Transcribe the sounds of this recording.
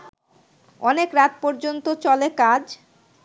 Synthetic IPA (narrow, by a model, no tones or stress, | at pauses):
ɔnekɾat̪̚pɔɾd͡ʑont̪ot͡ɕɔlekad͡ʑ